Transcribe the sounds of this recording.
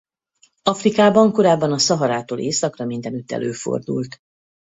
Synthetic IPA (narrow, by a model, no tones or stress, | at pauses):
ɒfrikaːbɒŋko̞ɾaːbːɒnɒsɒɦɒɾaːt̪oːlʔeːsɒkrɒmind̪ɛnyt̪ːɛ̰lʔøːfo̰rd̪ṵlt̪